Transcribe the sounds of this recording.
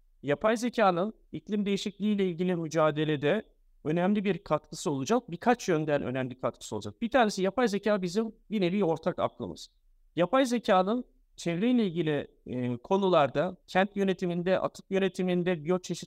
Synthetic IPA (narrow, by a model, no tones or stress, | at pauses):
japʰajzecʰaːnɯn | iclʲimd̪e̞jiʃiclʲiijlʲɛilʲɟilʲimyd͡ʒaːd̪e̞lʲed̪ɛ | ø̞nɛmlʲibiɾkʰat̪kʰɯ̥sɯo̞lˠud͡ʒak̚bikʰat͡ʃjønd̪ænʔø̰nɛmlʲikʰat̪̚kʰɯsɯo̞lˠud͡ʒak̚b̥it̪ʰaːɾne̞sijapajzecʰaːbizimjineɾio̞ɾt̪ʰaka̰klˠɯ̰mɯ̰z̥ | japʰajzecʰaːnɯn | t͡ʃʰevɾejlʲɛilʲɟilʲi | kʰo̞nulˠaɾd̪acʰænt̪jø̞ne̞t̪ʰimind̪ɛʔa̰t̪ʰɯ̥kjø̞ne̞t̪ʰimind̪ɛbijot͡ʃʰeʃi̥